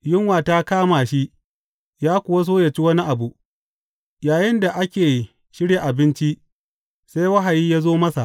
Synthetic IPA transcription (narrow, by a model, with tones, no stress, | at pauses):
jɪ˦ŋwaː˨taː˦kaː˦maː˨ʃi˦ʔ | jaː˦kʷʊ˨wa˦s̬oː˦ja˨t͡ʃi˦wɐ˦ni˦ʔa˨bu˨ | jaː˨jɪ˦nda˨ʔa˦kʲeː˨ | ʃɪ˦ɽje˨ʔa˨bɪ˦nt͡ʃi˦ | sa˦jwɐ˦ɦa˨jiː˦jaː˦zoː˦mɐ˦sa˨ʔ